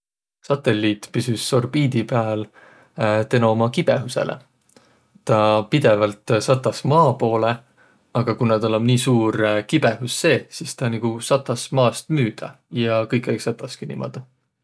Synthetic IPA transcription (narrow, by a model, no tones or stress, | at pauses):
sɑt̪ːˑe̞lːiːt̪ːpysysːo̞rbiːd̪̥ipeæl | t̪e̞noomɑkib̥e̞ɦuse̞̰lʔḛ | t̪ɑpid̪̥e̞vɑlt̪sɑt̪ːˑɑsmɑːpo̞ːle̞ | ɑɡ̥ɑkunɑd̪o̞lemniːsuːɾkib̥e̞ɦusːe̞ːsist̪ɑniɡ̥usɑt̪ːˑɑsmɑːst̪myːd̪̥ɑ̰ | jɑkɤjkːˑejksɑt̪ːˑɑskinḭmo̰d̪̥ɑ